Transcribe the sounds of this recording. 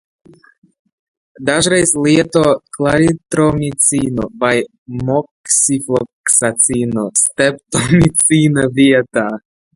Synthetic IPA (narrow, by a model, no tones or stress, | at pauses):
d̪aʒɾajsliet̪oklaɾit̪ɾomit͡sino̰vaj | moksifloksat͡sinost̪ep̚t̪omit͡sinaviet̪a